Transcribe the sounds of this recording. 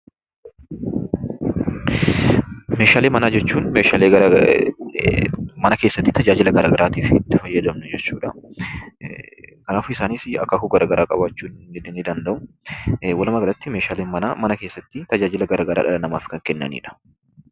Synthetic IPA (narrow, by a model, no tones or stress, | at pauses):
meːʃaːleːmɐnaːd͡ʒɛt͡ʃːuːnmeːʃaːleːɡɐ | mɐnɐkeːsːɐt̪ːɪt̪ɐd͡ʒaːd͡ʒɪlɐɡɐɾaːɡɐɾaːt̪iːfɪɪt̪ːɪfɐjːɐd̪ɐmnɛd͡ʒɛt͡ʃːuːᶑɐ | kɐnaːfʊɪsaːniːsɐ̰kːɐkʊɡɐɾaɡɐɾaːkʼɐ̰baːt͡ʃːuːɪd̪nɪd̪ɐnd̪ɐʔʊ | wɐlɐmɐɡɐlɐt̪ːɪmeːʃaːleːnmɐna̰ːmɐnɐke̞ːsːɐt̪ːɪt̪ɐd͡ʒaːd͡ʒɪlɐɡɐɾaːɡɐɾa̰ːᶑɐɐnɐmaːfɪ̥kɐŋkɛnːɐ̰nḭːᶑɐ̥